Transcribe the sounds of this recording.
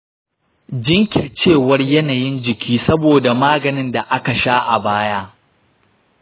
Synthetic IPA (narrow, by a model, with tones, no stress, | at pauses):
d͡ʒɪ˦ŋkʲɪ˨rt͡ʃeː˦˨wɐ˦rjɐ˦naː˨jɪ˦nd͡ʒɪ˨kʲiː˦sɐ˦boː˨da˨maː˦ɡɐ˨nɪ˦nda˨ʔa˦ka˨ʃaː˦ʔa˨baː˦jaː˦